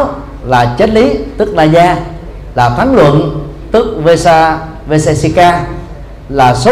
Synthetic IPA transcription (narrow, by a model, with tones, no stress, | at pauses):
laː˨˩t͡ɕə˦˥t̚li˨˦t̪ɨ˦˥k̚laː˧˨˩zaː˧ | laː˨˩faː˨˦nlwə̰˧˨n | t̪ɨ˦˥k̚ve˧sa˧ | ve˧se˧si˧kaː˧ | laː˨˩so˨˦